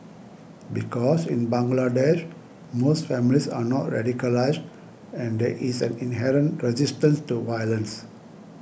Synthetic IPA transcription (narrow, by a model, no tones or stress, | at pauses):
bikɔsĩnbãŋɡladɛʃ | mostfɛ̃milisa̰nɔtɹɛ̰dikəlaɪzd | ɛ̃nd̪ɛʔisɛ̃nĩnɦɛɾə̃ntɹɛzistə̃nstuvajələ̃ns